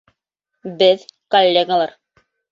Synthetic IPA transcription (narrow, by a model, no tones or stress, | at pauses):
bɘðkolʲːeɡalˠɑɾ